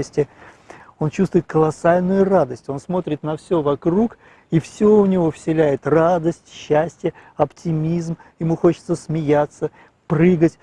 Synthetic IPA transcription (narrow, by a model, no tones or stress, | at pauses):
əsʲtʲɪ | o̞nt͡ɕust̪vʊɪt̪̚kəlˠɐsalʲnʊjʊrad̪əsʲtʲo̞nsmo̞t̪ɾʲɪt̪nɐfsʲovɐkɾuk | ifsʲoʊnʲɪvo̞fsʲɪlʲæjɪt̪rad̪əsʲtʲɕːæsʲtʲɪjəɐptʲɪmʲizm | jɪmuxo̞t͡ɕɪ̥t̪səsmʲɪjat̪sːə | prɨɡətʲ